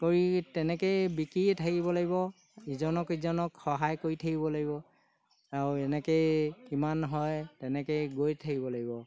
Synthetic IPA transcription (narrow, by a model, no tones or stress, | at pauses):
koɹitɛnɛkejbikɹiɛtʰakibɔlaɡibɔ | izɔnɔkizɔnɔkxɔɦajkoɹitʰakibɔlaɡibɔ | aɹɛnɛkejkimanɦɔjtɛnɛkɔjɡojtʰakibɔlaɡibɔ